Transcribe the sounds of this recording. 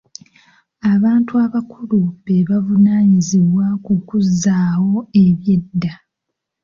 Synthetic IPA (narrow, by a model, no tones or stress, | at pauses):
aβaːntuaβakʰuluβe̞βavunaːɲiziβwakukuzːaːwo̞eβje̞dːa